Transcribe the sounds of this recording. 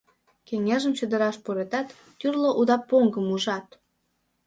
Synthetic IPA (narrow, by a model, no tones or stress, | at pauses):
keŋeʒəmt͡ɕød̪ə̆ɾɑʃpoɾet̪ɑt̪ːyrloʔud̪ɑpːoŋɡəmuʒɑt̪